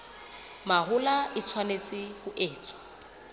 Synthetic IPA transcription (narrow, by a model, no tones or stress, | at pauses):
mahʊlaɪt͡sʰwanet͡sʼɪhʊʔeːt͡sʼwḁ